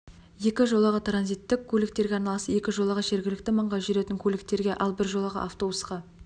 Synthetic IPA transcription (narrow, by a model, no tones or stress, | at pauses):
je̞kʲɪʒo̞lˠəʁət̪ranzijt̪ːɪkʲʰːɵlɪk̚t̪e̞ɾɡʲeɑɾnɑlˠɑsəje̞kʲɪʒo̞lˠəʁəʒe̞ɾɡʲɪlɪk̚t̪ɪməɴʁɑʒʏɾe̞t̪ɪŋkʲʰɵlɪk̚t̪e̞ɾɡʲe̞ʔɑlˠbɪɾʒo̞lˠəʁə̰ʔaft̪o̞busqɑ